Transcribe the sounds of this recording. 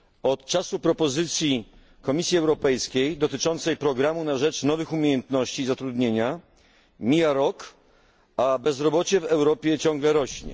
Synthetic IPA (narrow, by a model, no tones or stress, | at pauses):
ɔt̪̚t͡ʂasupɾɔpɔzɘt̪sʲji | kɔmʲisʲjiɛwɾɔpɛjskʲejd̪ɔt̪ɘt͡ʂɔnt̪sɛjpɾɔɡɾamunaʐɛt͡ʂnɔvɘxumʲjejɛnt̪nɔɕt͡ɕizat̪ɾud̪ɲeɲa | mʲijaɾɔk | abɛzɾɔbɔt͡ɕɛvɛwɾɔpʲjɛt͡ɕɔ̃ŋɡlɛɾɔɕɲɛ̰